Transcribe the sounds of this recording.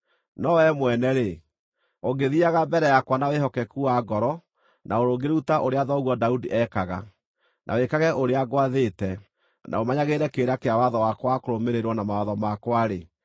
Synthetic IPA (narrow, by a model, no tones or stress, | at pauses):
nɔwɛmwɛnɛɾe | oɡeðiaɣabɛɾɛjakwanaweɦɔkɛkuaːɡɔɾɔ | nʔaoɾoɡeɾutaʔoɾeaðɔɣwɔdaudiʔɛkaɣa̰ | nʔa̰wekaɣɛʔoɾeaɡwaðetɛ | nʔa̰omaɲaɣeɾɛkeɾakeawaðɔwakwakoɾomeɾeɾwɔnamawaðɔmakwaɾe